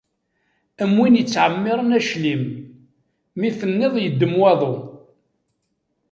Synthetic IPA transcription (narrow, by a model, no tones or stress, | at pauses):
əmwinjət͡sːʕəmːɪɾˤənæʃlim | iθənːɪðˤjəd̪ːəmwɑðˤo